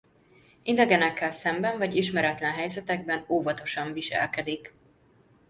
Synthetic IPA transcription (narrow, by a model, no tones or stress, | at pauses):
ind̪ɛɡɛnɛkːɛlsɛmbɛɱvɒɟiʃmɛɾɛt̪lɛnɦɛjzɛt̪ɛɡ̚bɛnoːvɒt̪o̞ʃɒɱviʃɛ̰lkɛd̪ik